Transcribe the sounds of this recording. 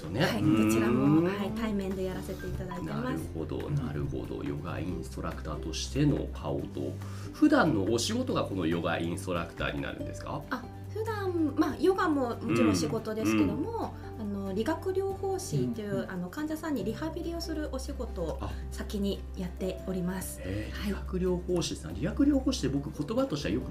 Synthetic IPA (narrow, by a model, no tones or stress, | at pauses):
oneaikoiɾamohait̪aimẽ̞nd̪e̞jaɾase̞t̪e̞it̪ad̪aineamasɯɨho̞̰d̪o̞̰na̰ɾɯ̟ho̞̰d̪o̞̰jo̞̰ɡa̰ĩst̪o̞ɾakɯ̟̥t̪aːt̪o̞ɕi̥t̪e̞no̞̰kʰao̰t̪o̞̰ | ɸɯ̟d̪ãnːo̞ʔːɕiɡo̞t̪o̞ɡako̞no̞jo̞ɡa̰ʔĩst̪o̞ɾakɯ̟̥t̪a̰ːɲ̟ḭna̰ɾɯ̟̃nd̪e̞sɨ̥ka̰a | ɸɯ̟d̪ãmmajo̞ɡamo̞mot͡ɕiɾoːɕiɡo̞t̪o̞d̪e̞sɨ̥ke̞d̪o̞mo̞ | anoɾʲiɡakɯ̟ɾʲjo̞ːho̞ːɕit̪ːeɯ̟ʔano̞kãɲ̟d͡ʑasãɲ̟ːiɾʲihabʲiɾʲio̞sɨɾɯ̟ʔo̞ɕiɡo̞t̪o̞sakʲiɲ̟i | jat̪ːe̞o̞ɾʲimasɨ̥eɾhaiɡakɯ̟ɾʲo̞ːho̞ːɕisã̰ɾʲiɡakɯ̟ɾʲo̞ːho̞ːɕi̥t̪ːebo̞kɯ̟ko̞t̪o̞bat̪o̞ɕi̥t̪a̰jo̞kɯ̟